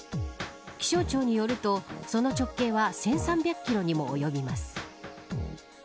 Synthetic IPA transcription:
kʲi̥ɕo̞ːt͡ɕo̞ːɲ̟ijo̞ɾɯ̟t̪o̞so̞no̞t͡ɕo̞kːe̞ːβasẽ̞ɰ̃sãmbʲakɯkʲiɾo̞ɲ̟imo̞ːjo̞bʲimasɨ̥

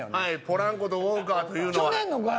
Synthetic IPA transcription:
haipoɾãŋkot̪ookaːt̪ojɯːnoanenːoɡa

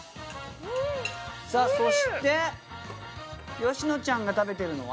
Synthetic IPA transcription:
saːso̞ɕi̥t̪e̞ | jo̞ɕino̞t͡ɕãŋɡat̪abe̞t̪e̞ɾɯ̟no̞̰βa̰

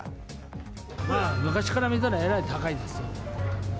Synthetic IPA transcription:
amɯ̟kaɕi̥kaɾamʲit̪̬aɾaeɾait̪akaid̪esɨ

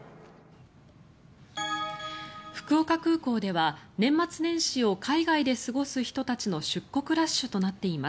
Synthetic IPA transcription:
ɸɯ̟̥kɯ̟o̞kakɯ̟ːko̞ːd̪e̞βanẽ̞mːat͡sɨnẽ̞ɰ̃ɕio̞kʰaiɡaid̪e̞sɨɡo̞sɨçi̥t̪o̞t̪at͡ɕino̞ɕɨkːo̞kɯ̟ɾaɕːɨt̪o̞nat̪ːe̞imas

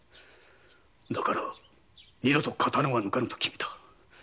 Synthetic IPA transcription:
d̪akaɾa | ɲʲid̪ot̪okʰat̪anõβanɯkanɯ̃t̪o̥kʲi̥me̥t̪ʰḁ

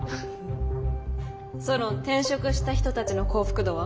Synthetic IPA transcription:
so̞not̪ẽ̞ɰ̃ɕo̞kɯ̟ɕi̥t̪açi̥t̪o̞t̪at͡ɕino̞ko̞ːɸɯ̟̥kɯ̟d̪oːβa

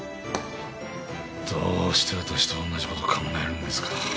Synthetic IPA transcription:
d̪̥oːɕi̥t̪ʰe̞βat̪aɕi̥t̪eonːaʑikot̪okʰamenaeɾɯ̟̃nd̪esɨ̥kʰa

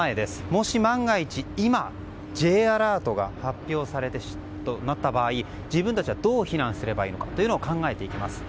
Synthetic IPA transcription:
aed̪e̞sɨ̥mo̞ɕimãŋɡait͡ɕiima | d͡ʑe̞ːaɾaːt̪o̞ɡa̰hapʲjo̞ːsaɾe̞t̪e̞̥ | t̪onat̪ːabaːi | d͡ʑibɯ̟nt̪at͡ɕiβad̪o̞ːçiɾãɰ̃sɨɾe̞baiːno̞kḁt̪ːo̞jɯ̟nookãŋɡae̞t̪e̞ikʲimasɨ̥

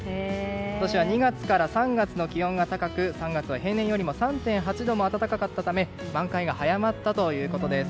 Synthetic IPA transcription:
ekko̞t̪oɕiβaɲ̟iɡat͡sɨ̥kaɾasãŋɡat͡sɨno̞kʲiõ̞ŋɡat̪akakɯ̟sãŋɡat͡sɨβaɦẽ̞nːẽ̞ɰ̃jo̞ɾʲimo̞sãnt̪ẽ̞ɰ̃ɦat͡ɕid̪o̞mo̞at̪at̪akakat̪ːat̪ame̞mãŋkaiɡahajamat̪ːat̪o̞jɯ̟ːko̞t̪o̞d̪e̞sɨ̥

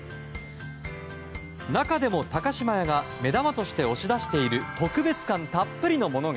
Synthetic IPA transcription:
nakad̪e̞mo̞t̪akaɕimajaɡame̞d̪amat̪o̞ɕi̥t̪e̞o̞ɕid̪aɕi̥t̪e̞iɾɯ̟t̪o̞kɯ̟be̞t͡sɨ̥kãnt̪apːɯ̟ɾʲino̞mo̞no̞ɡ

